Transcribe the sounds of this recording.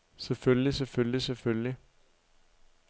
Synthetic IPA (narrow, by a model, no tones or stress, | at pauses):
sefølliseføllisefølli